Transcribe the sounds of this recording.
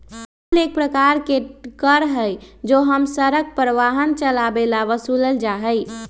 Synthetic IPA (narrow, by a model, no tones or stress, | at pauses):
əlek̚pɾəkaɾkekəɾɦəjd͡ʒoɦəmsəɾək̚pɾəʋaɦənt͡ʃəlabelaʋəsuləld͡ʒaɦəj